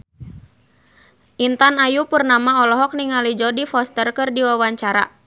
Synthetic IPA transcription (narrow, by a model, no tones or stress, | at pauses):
ʔint̪anajupurnamaɔlɔɦɔk̚niŋalid͡ʒɔdifɔst̪ərkɨrdiwawaɲt͡ʃaɾa̰